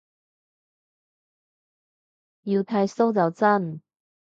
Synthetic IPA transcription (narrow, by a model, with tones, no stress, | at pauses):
ji˧wt̪ʰɐ˧jso˥wt͡sɐ˨wt͡sɐ˥n